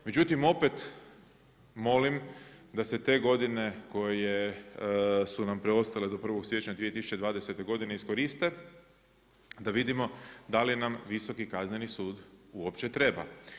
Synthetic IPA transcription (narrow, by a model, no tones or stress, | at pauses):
me̞d͡ʑut̪imo̞pe̞t̪ | mo̞limd̪ase̞t̪e̞ɡo̞d̪ine̞ko̞je | sunampɾeo̞st̪ale̞d̪o̞pr̩ʋo̞ɡsjeet͡ɕɲad̪ʋieisu̥t͡ʃed̪ʋaːd̪ese̞t̪e̞ɡo̞d̪ine̞isko̞ɾist̪e̞ | d̪aʋid̪imo̞d̪alinamʋiso̞kikaznɲenisuːd̪uopt͡ʃe̞t̪ɾe̞ba̰